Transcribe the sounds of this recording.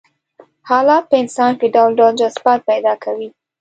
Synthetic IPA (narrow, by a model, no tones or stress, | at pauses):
hɑlɑt̪̚pəɪnsɑnkɪɖawlɖald͡ʒasbɑt̪̚pajd̪ɑkʰawi